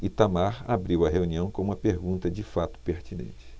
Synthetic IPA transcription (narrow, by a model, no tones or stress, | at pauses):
ɪt̪amaɾabɾiwɐɦeuniɐ̃w̃kõumɐpeɾɡũnt̪ɐd͡ʒɪfat̪ʊ̥peɾt͡ʃinḛ̃nt͡ʃɪ̥